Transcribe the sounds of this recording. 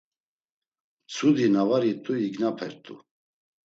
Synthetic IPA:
t͡sʰud̪inavaɾit̪ʼuiɡnapʰɛɾt̪ʼṵ

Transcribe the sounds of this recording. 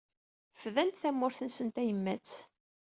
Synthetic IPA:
fðænt̪θæmːʊɾθənsənt̪æjəmːæt͡s

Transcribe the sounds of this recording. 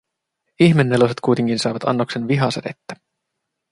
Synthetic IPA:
içme̞nːe̞loset̪̚kujt̪e̞ŋkinsɑˑːʋɑt̪ɑ̰nːoksenʋiɦɑseɾḛt̪ːæ̥

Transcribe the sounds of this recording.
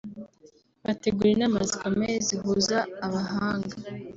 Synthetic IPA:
βate̞ɡuːɾenamazikameziɦuzaːβaɦaːŋɡa

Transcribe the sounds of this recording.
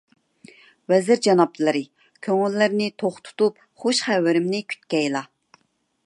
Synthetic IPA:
wɛzɪɾd͡ʒɑnɑp̚t̪ʰɨlˠɨɾɨ | kʲʰøŋylːɪɾnɪt̪ʰoχt̪ʰu̥t̪up̚ | χoʃχæwɪɾɪmnɪkʲʰy̥t̪̚kʲɛjlˠɑ

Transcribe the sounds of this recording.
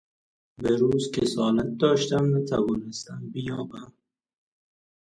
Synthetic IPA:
beɾuːzkʰesɒːlat̪̚d̪ɒːʃt̪æmvæt̪ʰævɒːnest̪æmbijɒːbæm

